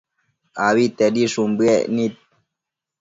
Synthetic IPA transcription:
awit̪ɐdiʂumbenit̪̚

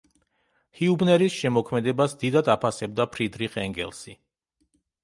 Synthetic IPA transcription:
hiubnɛɾisʃɛmɔkʰmɛd̪ɛbasd̪id̪ad̪apʰasɛb̚d̪apʰɾid̪ɾiqʼɛŋɡɛ̰lˠsi

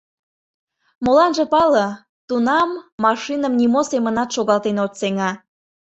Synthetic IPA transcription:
molɑnʒɤ̆pɑlə | t̪unɑmːɑʃinəmnimosemənɑt̪ʃoɣɑlt̪enot̪seŋɑ

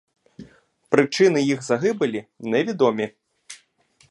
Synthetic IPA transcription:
pɾɨt͡ʂɨnɨjiɣzaɣɨbɐlʲinɛvʲid̪ɔmʲi

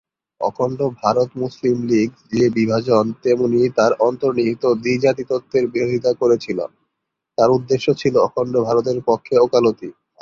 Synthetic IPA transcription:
ɔ̰kʰɔɳɖobʱaɾot̪muslimliɡd͡ʑiebibʱad͡ʑont̪emunit̪aɾɔnt̪oɾniɦit̪od̪id͡ʑat̪it̪ot̪ʰːeɾbiɾod̪ʱit̪akoɾet͡ɕʰilo̰ | t̪aɾud̪ːeʃːot͡ɕʰiloɔkʰoɳɖobʱaɾot̪̬eɾpokʰːeokalot̪i

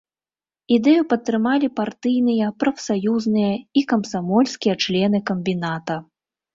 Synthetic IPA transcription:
id̪ɛjupɐt̪ːɾɨmalʲipart̪ɨjnɨjɐpɾɐfsajuznɨjɐikɐmsamɔlʲsʲkʲijɐt͡ʂlʲɛnɨkɐmʲbʲinat̪ɐ

